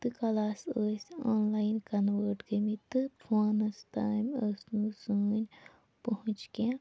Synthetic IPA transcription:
t̪ɨkɐlaːsoːsʲoːnlaːjnkɐnʋəːɾʈɡəmit̪ɨfʰaːnɐst̪aːmʲəsnusuːnʲ | pɐɦʊ̃t͡ʃkã

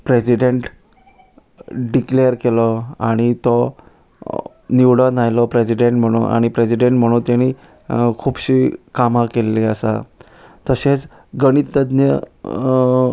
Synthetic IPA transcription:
pɾesiɖeɳʈ | ɖiklejəɾkelɔaɽ̃it̪ɔ | niʋɽɔnajlɔpɾesiɖeɳʈm̤əɽ̃uːnʔa̰ɽ̃ipɾesiɖeɳʈm̤əɽ̃uːnt̪jañi | kʰuːbɕikamakelːeəsa̰ | t̪əɕet͡s | ɡəɽ̃it̪əd̪njə

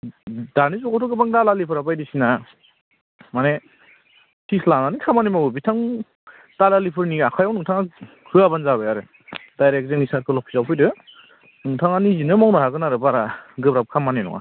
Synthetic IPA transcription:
danizɔkɔtʰɔɡɯbaŋdalalipʰɯɾabajdisina | mane | tʰislananikʰamanimabɯbitʰaŋ | d̥alalipʰɯɾniakʰajawnɯŋtʰaŋa | kʰɯabanzaβajaɾɯ | dajɾek̚zenisat̚kʰɯlɔpʰi̥sawpʰɯjdɯ | nɯŋtʰaŋanizinɯmawnaɦaɡɯnaɾɯbaɾaɡɯbɾap̚kʰamaninɔ̰ŋa̰

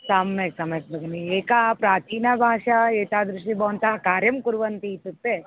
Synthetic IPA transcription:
saːmːeːksɐmeːkbɐɡɐnieːkɐpɾaːt̪iːnɐbʱaːʂɐeːt̪aːd̪ɾuʂʈibɐʋɐnt̪ɐkaːɾjɐmkuɾʋɐnt̪iːt̪ːut̪ːe

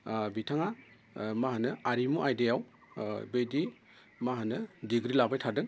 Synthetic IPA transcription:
bitʰaŋa | maɦanɯaɾimuʔajdejaw | bejdi | maɦanɯdiɡɾilabajtʰadɯŋ

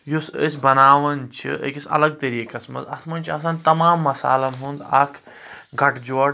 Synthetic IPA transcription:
jusə̰sʲbɐnaːʋɐnt͡ʃʰḭʔə̰kisɐ̰lɐɡ̚t̪ɐɾikɐsmɐ̰zɐ̰t̪ʰmɐnt͡ʃʰiɐs̬aːnt̪ɐmaːmːɐsa̰ːlɐmɦund̪ɐkʰ | ɡʱɐʈʰd͡ʒoɽ

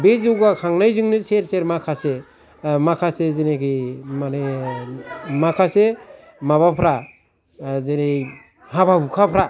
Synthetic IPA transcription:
bezɯwɡakʰaŋnajzɯŋnɯseɾseɾmakʰase | makʰasezenekʰimane | makʰase | mabapʰɾa | zene | hababukʰapʰɾa

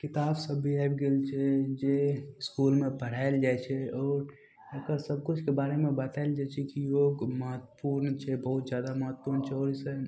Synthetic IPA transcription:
kɪt̪aːbsəbʱːiabɡelt͡ʃʰɛd͡ʒeskuːlmẽpəɽ̤aːɪld͡ʒajt͡ʃʰɛɔːɾ | əkəsəb̚kʊt͡ʃʰkebaːɾemẽbət̪aeld͡ʒajt͡ʃʰɛkijoːɡməɦət̪ːəpuɾnt͡ʃʰɛbəɦʊt̪zjaːd̪aməɦət̪puɾnt͡ʃʰɛoːɾisə

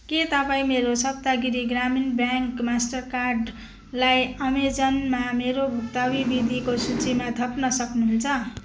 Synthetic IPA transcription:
ket̪ʌpaĩmeɾosʌb̚t̪aɡiɾiɡraminbjaŋkmasʈʌrkarɖ | lajʌmed͡zʌnmameɾobʱukt̪abibid̪ʱikosut͡simad̪ʱʌpnʌsʌknuɦunt͡sʰʌ

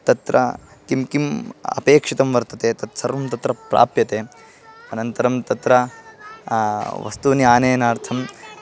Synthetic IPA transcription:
t̪ɐt̪ɾɐ̰kimkimɐ̰peːkʂit̪ɐmʋɐɾt̪ɐt̪eːt̪ɐt̪sɐɾʋɐmt̪ɐt̪ɾɐpɾʔa̰ːpjɐt̪eː | ɐnɐnt̪ɐɾɐmt̪ɐt̪ɾɐ | ʋɐ̰st̪uniaːneːnaːɾt̪ʰɐm

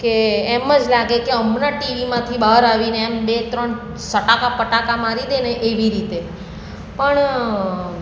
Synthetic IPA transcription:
keːməd͡ʒlaɡekeəmnaʈiʋimãt̪ʰibaɾaʋineːmbet̪ɾəɳ | səʈakapəʈakamaɾid̪eneʔeʋiɾit̪e | pəɳ

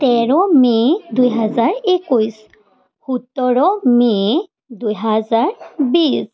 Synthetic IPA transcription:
tɛɹɔmedujɦazaɹekujs | hutːɔɹɔme | dujɦazaɹbis

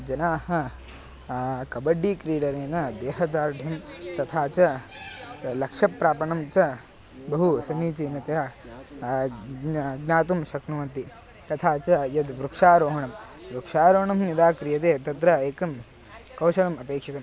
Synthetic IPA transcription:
d͡ʒɐnaːhɐ | kɐbɐɖːikɾiːɽɐɾeːnɐd̪eːɦɐd̪aːɾɖʱɐmt̪ɐt̪ʰaːt͡ʃɐ | lɐkʂɐpːɾaːpɐɳɐmt͡ʃɐ | bɐɦusɐniːt͡ʃinɐt̪ɐjaː | ɡnaːt̪umsɐknuʋɐnt̪i | t̪ɐt̪ʰaːt͡ʃɐjɐd̪ʋɾukʂaːɾoːɦɐɳɐmʋɾukʂaːɾoːɳɐmnjid̪aːkɾijɐt̪eːt̪ɐt̪ɾɐeːkɐm | kɐwʃɐɭɐmɐpeːkʂit̪ɐm

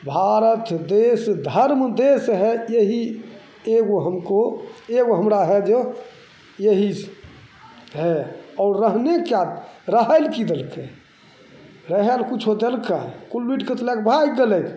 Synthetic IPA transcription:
bʱaɾət̪d̪esd̪ʱəɾmd̪esɦɛjeɦi | eɡoɦəmkoeɡoɦəmɾaɦɛd͡ʒe | jeɦis | ɦɛɔːɾɾəɦnekjad̪ɾəɦəlkid̪elkʰe | ɾəɦelkut͡ʃʰod̪elkakulwiʈkət̪lɛkbʱajɡelek

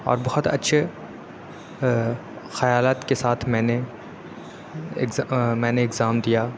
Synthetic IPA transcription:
ɔ̰ːɾbɐhɔt̪ɐ̰tːʃʰe | xɐjaːlaːt̪kesaːt̪ʰmɛ̃ːne | ɪ̰mɛ̃ːneɪɡzaːmd̪ijaː

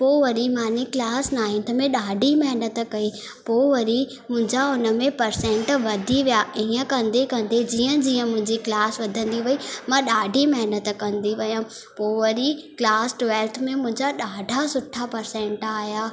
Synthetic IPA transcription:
poːʋɐɾimãːneklaːsnaːɪ̃nt̪mẽɗaːɖʱimɐɦnət̪̆kɐi | poːʋɐɾi | mʊ̃ɦɪ̃ɲd͡ʑaʊnə̆mẽpɐɾsɛ̃ɳʈʋɐd̪ʱiʋijaĩːə̃kɐ̃nd̪ekɐ̃nd̪ed͡ʑiːə̃d͡ʑiːə̃mʊ̃ɦɪ̃ɲd͡ʑiklaːsʋɐd̪ʱə̃nd̪iʋɐimãɗaːɖʱimɐɦnət̪̆kɐ̃nd̪iʋɐjõ | poːʋɐɾiklaːsʈʋɛːlt̪ʰmẽmʊ̃ɦɪ̃ɲd͡ʑaɗaːɖʱasʊʈʰːapɐɾsẽɳʈaːjaː

